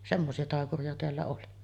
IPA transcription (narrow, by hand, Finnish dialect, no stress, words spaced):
semːosiɑ tɑˑekuriɑ teælːæ oli